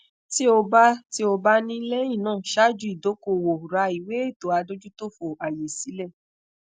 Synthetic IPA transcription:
ti˦o˧ba˦ti˦o˧ba˧nĩ˦le˦ĩ˦˨nãː˦˨ʃa˦˨d͡ʒu˨˦i˦˨do˨˦ko˦˨wo˨ɾa˧i˨we˨˦e˦˨to˨˦a˧do˦d͡ʒu˦to˦˨fo˨a˨je˨si˨˦lɛ˦˨

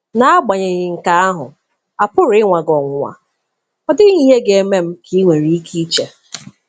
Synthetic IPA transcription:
na˦a˦ɡ͡ba˨ɲe˨ɣɪ˨ŋ̩˨ka˨a˦ɦʊ̰˨ | a˨pʊ˦ɾɪ˦ŋʷa˨ɡɔ˨ŋʷʊ˨ŋʷa̰˨ | ɔ˦dɪ˦i˦ɦe˦ɡe˦me˦m̩˦kʰi˦ŋʷe˨ɾi˦i˦kʰi˦t͡ʃe˨

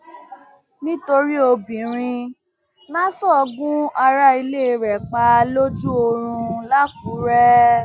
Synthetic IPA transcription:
nĩ˦to˧ɾi˦o˧bĩ˨ɾ̃ĩ˧ | lã˦sɔ˦ɔ˧ɡũ˦a˧ɾa˦i˧le˦˧ɾɛ˨k͡pa˧lo˦d͡ʒu˦o˧ɾ̃ũ˧la˦ku˨˦ɾɛ˦

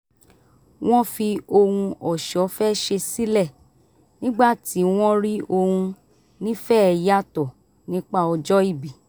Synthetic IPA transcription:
w̃ɔ̃˦fi˧o˧hũ˧ɔ˨ʃɔ˨˦fɛ˦ʃe˧si˦lɛ˦˨ | nĩ˦ɡ͡ba˦˨ti˨˦w̃ɔ̃˦ɾi˦o˧hũ˧ | nĩ˦fɛ˦ɛ˧ja˦˨tɔ˨ | nĩ˦k͡pa˦˨ɔ˧d͡ʒɔ˦i˦˨bi˨

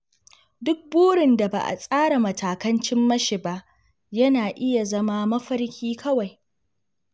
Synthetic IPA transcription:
dʊ˦k̚boː˦ɽɪ˨nda˨ba̰ː˨ʔa̰˨sʼaː˦ɽa˨mɐ˨taː˨kɐ˦nt͡ʃɪ˦mːɐ˦ʃɪ˨ba˦ʔ | jɐ˦naː˨ʔɪ˦ja˨zɐ˦maː˦mɐ˦ɸɐ˦ɽkʲʰiː˦kʰɐ˦wa˨j

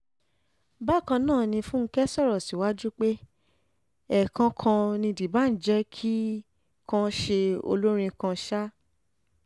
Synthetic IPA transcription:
ba˦˨kã˧nãː˦˨nĩ˧fũ˦ŋ̩˦kɛ˦sɔ˦˨ɾɔ˨si˨˦wa˦d͡ʒu˦k͡pe˦ | ɛ˨kã˧kʰã˧nĩ˧di˨ba˦n̩˨d͡ʒɛ˦kʰi˦ | kã˧ʃe˧o̰˧lo˦ɾ̃ĩ˧kã˧ʃa˦

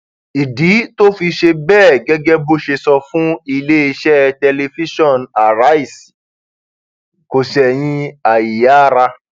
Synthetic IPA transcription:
i˨di˨˦to˦fi˧ʃe˧bɛː˦˨ɡɛ˦ɡɛ˦bo˦ʃe˧sɔ˧fũ˦i˧le˦i˧ʃɛ˦tɛ˧le˧fi˦ʃɔ̃˦˨na˨ɾa˨˦i˦˨s | ko˨sɛ˨j̃ĩ˧a˨ji˨ja˨˦˨ɾa˧

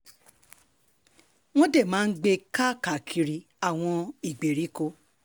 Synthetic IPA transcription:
w̃ɔ̃˦de˦˨mãː˨˦n̩˦ɡ͡be˧ka˦ka˨kʰi˧ɾi˧ | a˨w̃ɔ̃˧i˨ɡ͡be˨ɾi˨˦ko˧˦

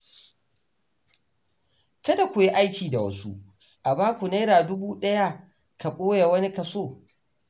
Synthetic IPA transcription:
kɐ˦da˨kʷʊ˨ji˦ʔa˦jkʲiː˨da˨wɐ̰˦su˦ʔ | ʔa˨baː˦kʷu˨neː˦ɾaː˨dʊ˦buː˦ɗɐ˦ja˦ | ka˨kʷʼoː˦ja˨wɐ˦ni˦ka˨soː˦˨

